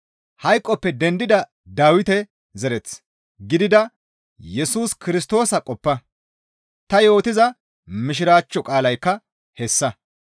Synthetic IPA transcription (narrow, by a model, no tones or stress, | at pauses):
hɐjkʼːɔpːɛd̪ɛnd̪ɪd̪ɐ | d̪aːwɪt̪ɛ | zɛɾɛt͡s | ɡɪd̪ɪd̪ɐ | jɛsuːskɪɾɪs̬t̪o̞ːsɐkʼɔpːɐ | t̪ɐjo̞ːt̪ɪzɐ | mɪʃ̬ɪɾaːt͡ʃːɔkʼaːlɐjkːɐ | hɛsːɐ